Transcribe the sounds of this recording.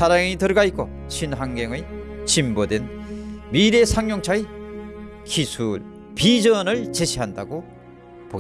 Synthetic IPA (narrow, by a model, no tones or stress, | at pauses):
sʰaɾaŋitɯɾʌɡaik͈o | t͡ɕʰinɦaŋɡeŋɯt͡ɕimbodwenmiɾe̞sʰaŋɲjoŋt͡ɕʰai | kisʰuɭ | pid͡ʑʌnɯɭt͡ɕeɕʰiɦandaɡo | poɡ